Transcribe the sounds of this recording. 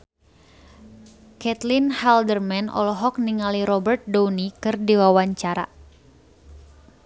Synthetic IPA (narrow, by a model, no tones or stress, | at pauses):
kɛt̪linhɛldərmɛnɔ̰lɔɦɔk̚niŋaliɾɔbərt̪̚dɔnikɨrdiwawaɲt͡ʃaɾa̰